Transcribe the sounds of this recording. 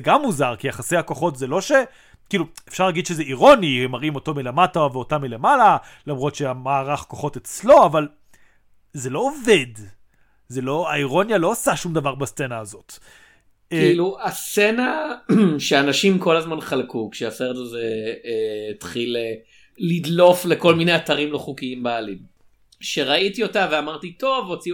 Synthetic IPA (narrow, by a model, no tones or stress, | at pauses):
ɡamːuzaʁkiaχasejhako̞χo̞tzelo̞ʃe | kiːluefʃaʁlaɡid̪ʃezeiʁo̞nihemaʁimo̞to̞mile̞mataveotamile̞malalamʁo̞tʃeamaːʁaχkoχo̞tet͡slo̞aval | ze̞lo̞ːve̞d | ze̞lo̞aiʁo̞njalo̞asaʃumd̪avaʁbast͡senaːzo̞t | kiiluast͡se̞na | ʃeanaʃimko̞lazmanχalkukʃeaseʁdaze | t̪χile | lid̪lo̞fle̞ko̞lminejataʁimloχukiimbaːlin | ʃeʁaitio̞tave̞amaʁt̪ito̞vo̞t͡si